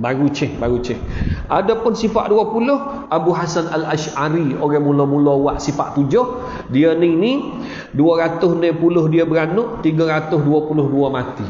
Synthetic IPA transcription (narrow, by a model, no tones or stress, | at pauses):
baɾut͡ʃɪhbaɾut͡ʃɪhʔadapʊnsifa̰ʔduapulʊh | abuɦasanalaʃaɾioɾɛmulɔmulowaʔsifa̰ʔt̪ud͡ʒʊh | diəniŋni | duəɾat̪ʊhnɛpulʊhdiəbəɾanʊʔt̪iɡəɾat̪ʊsduəpulʊhduamat̪i